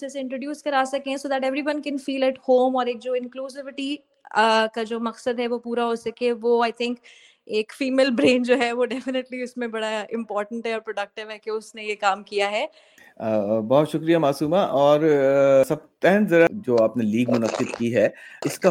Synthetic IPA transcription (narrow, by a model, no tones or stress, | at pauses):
eseɪ̃ɳʈɾoːɖjuːskɐɾaːsɐkẽɦɛ̃soːd̪æʈɛʋɾiʋɐ̃nkɛ̃nfiːlɛʈhoːmɔːɾeːk̚d͡ʒoːɪ̃nkluːsɪʋɪʈi | kad͡ʒoːmɐksəd̪ɦɛʋopuːɾaɦoːsɐkẽʋoːaːɪt̪ʰɪ̃ŋk | eːkfiːmeːlbɾẽːnd͡ʒoːɦɛʋoɖɛfɪnɪʈliʊsmẽbɐɽaɪ̃mpɔːɾʈə̃ɳʈɦɛɔːɾpɾoɖɐk̚ʈɪʋɦɛkeʊsnejekaːmkijaɦɛː | bɔɦʊt̪ʃʊkɾijamaːsuːmaʔɔːɾsɐb̚t̪ɛɦnzɐɾad͡ʒoːaːpneliːɡmʊnəqːɪd̪kiɦɛɪska